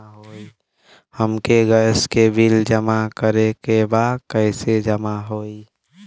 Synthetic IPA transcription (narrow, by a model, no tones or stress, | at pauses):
ɦoːi | həmkeɡəskebʱild͡ʒəmakəɾekebaːd̪kəɪsed͡ʒəmaɦoi